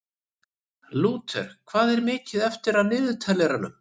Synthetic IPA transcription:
luːt̪ʰɛ̰ɾ̥kʰv̥aːðɛɾmɪːcɪðɛft̪ɪɾaðnɪːðʏt̪ʰɛlːɛɾalʏ̰m

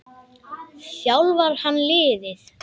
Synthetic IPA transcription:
sjawlvaɾ̥hanːlɪːðɪθ

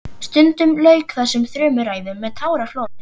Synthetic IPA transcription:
st̪ʏnt̪ʏmløːɥkθaðsɛmθɾœːmʏɾaːjðʏmːɛðt̪ʰaːwɾafloːt̪ɪ

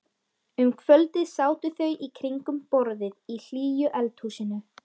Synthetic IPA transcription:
ʏmkʰvœlt̪ɪðsaːwt̪ɪθœɥʔikʰɾiŋkʏmpɔɾðɪðil̥iːjʏʔɛlt̪husɪnʏ

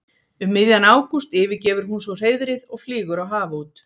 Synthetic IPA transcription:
ʏmːɪðjanaːwkust̪ɪːvɪcɛːvʏɾ̥hunsvɔr̥eːjðɾɪðɔɣfliːɣʏɾawɦaːvauːt̪

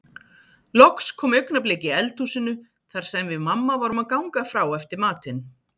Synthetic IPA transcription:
lɔkskʰɔːmœɥknapleːcɪɛlt̪usɪnʏ | θaɾ̥sɛmvɪðmamːavaːɾʏmaðkawŋkafɾaːwɛft̪ɪɾmaːt̪ɪn

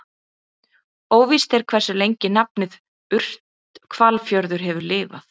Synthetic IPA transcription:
oːwvist̪ɛɾ̥kʰvɛ̥sʏlejɲcɪnap̚nɪð | ʏr̥t̪ | kʰvalfjœɾðʏɾ̥ɦɛvʏlɪːva̰θ

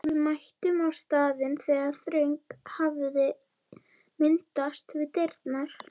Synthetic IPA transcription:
vɪðmajht̪ʏmawst̪aːðɪnθɛːɣaðθɾeɥjŋkhavðɪ | mɪnt̪ast̪vɪðt̪ejɾt̪naɾ̥

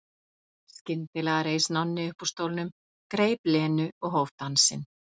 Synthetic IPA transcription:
scɪnt̪ɪlɛɣaɾejsnanːɪʏhpust̪owlnʏm | kɾeːjplɛːnʏɔɣɦowvt̪ansɪ̰n

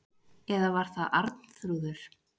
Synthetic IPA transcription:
ɛðavaɾ̥θaðʔa̰ɾt̪n̥θɾuðʏɾ̥

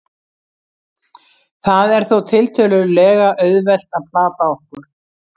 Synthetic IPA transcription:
θaðɛɾ̥θowt̪ʰɪlt̪ʰœːlʏɾlɛːɣaʔœɥðvɛl̥t̪aðpʰlaːt̪aɔhkʏɾ̥

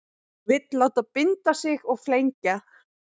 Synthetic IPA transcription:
vɪt̪laːwt̪apɪnt̪asɪɣɔɣflejɲca

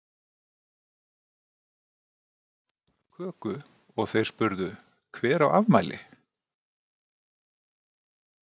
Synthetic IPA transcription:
kʰœːkʏ | ɔɣθejɾ̥spʏɾðʏ | kʰvɛːɾawa̰vmajlɪ̰

